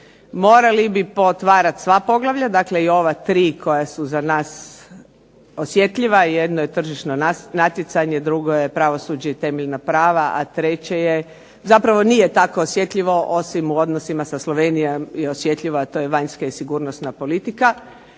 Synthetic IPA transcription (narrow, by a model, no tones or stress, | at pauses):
mo̞ːɾalibipot̪ʋaːɾat̪sʋapo̞ɡlˠaʋʎʲad̪akle̞io̞ʋat̪ɾiːkʰo̞jasuzanaːs | osje̞t̪ʎʲiʋaje̞d̪noje̞t̪r̩ʒiʃnonanat̪jet̪saɲe̞d̪ɾuɡo̞jepɾaʋo̞sud͡ʒeit̪e̞meʎnapɾaːʋaʔat̪ɾet͡ɕeje | zapɾaʋo̞nijet̪ako̞ːsje̞t̪ʎʲiʋo̞ʔo̞simuo̞d̪nosimasaslˠoʋenijomjeosje̞t̪ʎʲiʋoat̪o̞jeʋaɲskaisiɡuːɾnosnapo̞lit̪ika